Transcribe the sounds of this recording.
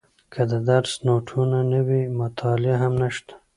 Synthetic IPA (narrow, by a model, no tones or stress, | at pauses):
kʰəd̪əd̪aɾsnoʈʰunanəwimʊt̪ʰɑlɪaɦamnəʃt̪ḁ